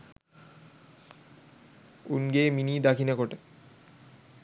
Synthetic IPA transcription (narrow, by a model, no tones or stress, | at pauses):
ṵnɡeminid̪akʰinekoʈe